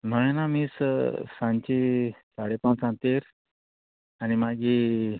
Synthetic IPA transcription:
m̤əɭ̃enamiːssãɲt͡ɕisaɽepãt͡sãnt̪eɾ | añimaɡʱi

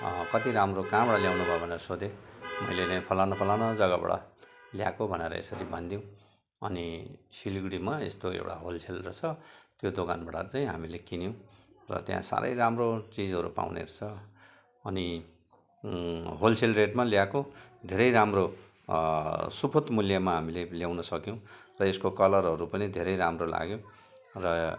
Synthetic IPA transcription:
kʌt̪iɾamrokãbaɽaljawnubʱʌobʱʌneɾʌsod̪emʌ̰jlet͡saĩpʰʌlawnʌpʰʌlawnad͡zʌɡaba̰ɽa̰lja̰kobʱʌneɾʌ̰ḛsʌɾibʱʌnd̪jw̃ | ʌ̰nisiliɡɽimaḛst̪oḛwʈa̰ɦolt͡sʰelrʌt͡sʰʌt̪jod̪okanbaɽat͡saĩɦamilekinjow̃rʌ̰t̪jã̰sa̰ɾʔʌ̰jramrot͡sid͡zɦʌɾṵpa̰wnḛɾt͡sʰʌː | ni | ɦolsʰelreʈmaljakod̪ʱeɾʌjɾamro | supʰot̪muljamaɦamileljawnʌsʌkjõw̃rʌeskokʌlʌrɦʌɾupʌnid̪ʱeɾʌjɾamrola̰ɡjõ | rʌ

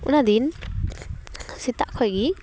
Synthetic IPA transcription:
ʔṵnad̪in | sit̪aʔkʰɔɡi

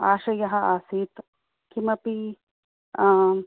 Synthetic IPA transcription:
a̰ːʃɐjɐɦɐaːsiːt̪ | kimɐpi

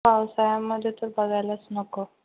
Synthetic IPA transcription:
aʋsajamːəd̪ʱːjet̪əɾbəɡajlasnəko

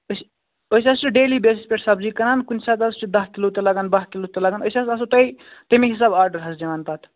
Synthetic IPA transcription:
əs | osʲaːst͡ʃʰiɖeːlibeːsispʲeʈsɐbzikɐnaːnkunʲsaːt̪ast͡ʃʰud̪ɐst̪ilut̪ɐlɐɡanbɐɦt̪ilut̪ɐlɐɡanosʲasɐsot̪ɐjt̪ɐmiɦis̬aːbaːɾɖəɾɦɐsd͡ʒɐmaːnpat̪ʰ

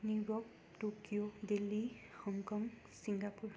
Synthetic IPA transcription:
niɹɔk | tokiodelːihɔŋkɔŋ | siŋɡapuɹ

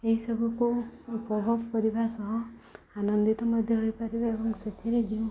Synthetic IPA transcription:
eɦisʌbʱɔkupɾɔbʱɔbkʌɾibasʌɦɔ̃ | anʌnd̪it̪ɔmʌd̪ʱjʌɦojpaɾibaebɔŋsʌt̪ʰiɾed͡ʒiũ

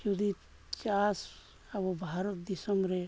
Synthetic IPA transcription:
jud̪i | t͡ʃas | abobʱaɾət̪̚d̪isəmbɾe

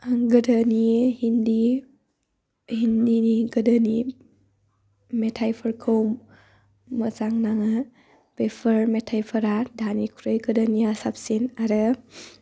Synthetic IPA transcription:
ɡədənihindi | hindiniɡədəni | metʰajpʰəɾkʰɯwmː | əzaŋnaŋɯ | b̥epʰəɾmetʰajpʰəɾadanikʰuɾɯjɡədəniasap̚sinaɾɯ

